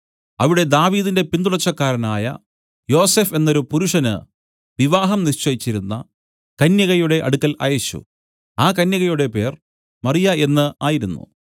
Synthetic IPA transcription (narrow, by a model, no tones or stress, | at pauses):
ɐʋiɽe̞d̪aːʋiːðinde̞pind̪uɭɐt͡ɕːɐkːaːɾɐnaːjɐ̰ | jo̞ːse̞ːfe̞nːo̞ɾupuɾuʂɐnɨ̰ | ʋiʋaːɦɐmniɕt͡ɕːɐjit͡ɕːiɾunːɐ̰ | kɐnjɐɣɐjuɽe̞ʔɐɽukːɐlɐ̰jɐɕṵ | aːkɐnjɐɣɐjuɽe̞pe̞ːr | mɐrijɐe̞nːɨaːjiɾunːṵ